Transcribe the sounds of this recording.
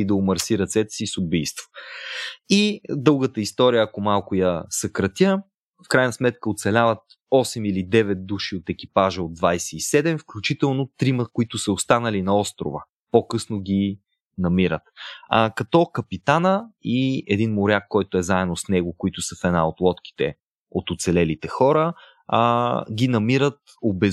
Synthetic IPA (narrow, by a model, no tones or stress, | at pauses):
id̪ɐomɐɾsiɾɐt̪sɛt̪ɛ̥sisʊbijst̪vo̥ | id̪ɤlˠɡət̪əist̪ɔɾijəːkomalˠkʊjɐsɐkɾɐt̪ʲə | fkɾajnəsmɛt̪kəot̪sɛlʲavət̪̚ | ɔsɛmilid̪ɛvɛt̪̚d̪uʃiot̪ɛkʲipaʒəod̪vajsɛisɛd̪ɛmfklʲut͡ʃit̪ɛlˠnot̪ɾiməkoit̪ʊsəost̪anəlinɐɔst̪ɾʊ̰və̰ | pokɤsnoɡʲi | nɐmiɾət̪kɐt̪ɔkəpit̪anəiɛd̪inmoɾʲjakːɔjt̪oɛzaɛd̪osnɛɡokoit̪ʊsəfɛd̪na̰ot̪lˠɔt̪k̟i̥t̪ɛ̰ | ot̪ot̪sɛlɛlit̪ɛxɔɾə | ɡʲinɐmiɾət̪̚ | obɛ